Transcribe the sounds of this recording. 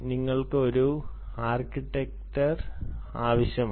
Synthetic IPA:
niŋːɐɭkɨo̞ɾu | aːrkiʈːek̚ʈɐr | aːʋɐɕjɐm

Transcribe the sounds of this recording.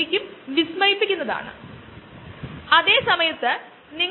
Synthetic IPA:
ikʲːumʋismɐripːikʲːunːɐða̰ːɳɨ̰ | ɐðe̞ːsɐmɐjɐt̪ːɨ | niŋː

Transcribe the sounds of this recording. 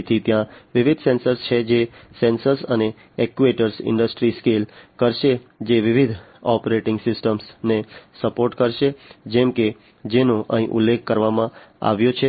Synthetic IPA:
t̪ʰit̪jãʋɪʋid̪ʱsɛnsəɾst͡ʃʰed͡ʒesɛ̃nsəɾsəne | ɛkʋeʈəɾsɪ̰̃ɳɖəsʈɾiskelkəɾʃed͡ʒeʋɪʋid̪ʱ | ɔpəɾeʈɪ̃ŋɡsɪsʈəmsnesəpoɾʈkəɾʃed͡ʒɛmke | d͡ʒenõʔə̰ɦḭ̃ʔṵlːekʰkəɾʋamãa̰ʋjõt͡ʃʰe

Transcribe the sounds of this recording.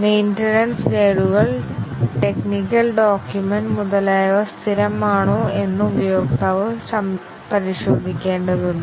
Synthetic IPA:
mejnʈɐnɐnskeːɻuɣɐɭʈe̞knikːɐlɖoːkjumɐnɖmuðɐlaːjʋɐst̪ʰiɾɐmaːɳoːe̞nːɨubɐjo̞ːk̚t̪ɐʋɐsɐm | pɐɾiɕo̞ːd̪ʱikʲːe̞ːɳɖɐðunː

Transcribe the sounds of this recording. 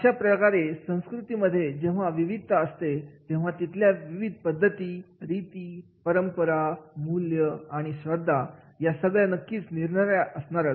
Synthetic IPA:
əɕapɾəkaɾesə̃w̃skɾut̪iməd̪ʱːjed͡ʑẽʋ̤aʋiʋid̪ʱəst̪et̪ẽʋ̤at̪it̪ljaʋiʋid̪̚ʱpəd̪ʱːət̪iːɾit̪iː | pəɾəmpəɾamuljəaɽ̃iɕʋəd̪ʱːa | jasəɡɭjanəkːiːt͡sniɾɳəɾəsɳaɾa

